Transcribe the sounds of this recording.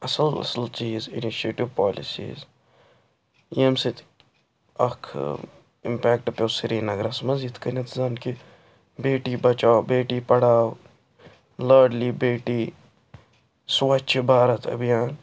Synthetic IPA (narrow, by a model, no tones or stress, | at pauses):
ɐsəlɐ̰səlt͡ʃiːzɪ̰niʃeːʈiʋpaːlḭsḭːz | emsit̪ʰ | ɐ̰kʰ | ɪ̰mpɛːk̚ʈɐpoːsiɾiːnɐɡɾɐsmɐziːt̪kɐnet̪zaːnki | beːʈibɐt͡ʃaːwbeːʈipɐɽaːw | ləːɾɖliːbeːʈiː | swɐt͡ʃʰibaːɾɐt̪ʰɐ̰bijaːn